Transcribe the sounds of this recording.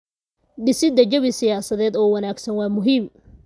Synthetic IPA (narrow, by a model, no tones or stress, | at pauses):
ɖɪsɪd̪ɐd͡ʒɐβɪsɪjaːsɐðɛːd̪ɔːwɐnaːɡsɐnwɑːmʊɦiːm